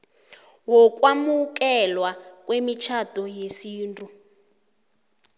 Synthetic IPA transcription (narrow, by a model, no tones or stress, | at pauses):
wɔk̬ʼwamuk̬ʼɛlwakʼwemit͡ʃʰatɔjesiːntʼu